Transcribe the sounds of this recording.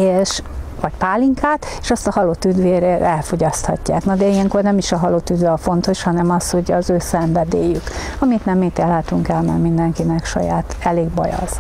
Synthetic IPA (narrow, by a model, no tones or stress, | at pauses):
eːʃvɒcpaːliŋkʰaːt̪eʃɒst̪ɒhɒlot̪yd̪ʋeːɾeːɛlfo̞ɟɒst̪hɒcːa̰ːknɒd̪ɛijɛŋkornɛmiʃɒɦɒloːt̪yd̪vɛɒfo̞n̪t̪o̞ʃhɒnɛmɒsho̞ɟɒzøːsɛɱvɛd̪eːjykɒmit̪nɛmːeːt̪elɦaːt̪uŋkɛlmɛ̰rmind̪ɛŋkinɛkʃɒ̰ja̰ːt̪ɛleːɡ̚bɒ̰jɒ̰z̥